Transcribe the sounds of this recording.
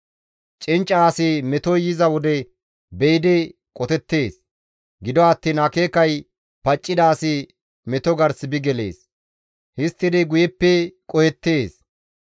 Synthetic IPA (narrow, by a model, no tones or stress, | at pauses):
t͡ʃʼɪnt͡ʃʼːaːsɪmɛt̪ɔjɪzɐwɔd̪ɛ | bɛjɪd̪ɛ | kʼɔt̪ɛt̪ːe̞ːs | ɡɪd̪ɔɐt̪ːiːnɐkeːkɐj | pɐt͡ʃʼːɪd̪aːsɪ | mɛt̪ɔɡɐɾsɪbɪɡɛle̞̰ːs | hɪst̪ːɪd̪ɪɡʊjɛpːɛkʼɔhɛt̪ːeːs